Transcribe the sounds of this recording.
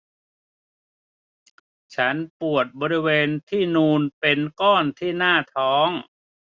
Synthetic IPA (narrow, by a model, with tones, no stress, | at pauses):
t͡ɕʰa˦˥npu˨˩ət̪̚bɔː˧ɾi˦˥weː˧nt̪ʰiː˥˩nuː˧npe˧nkɔː˥˩nt̪ʰiː˥˩naː˥˩t̪ʰɔː˦˥ŋ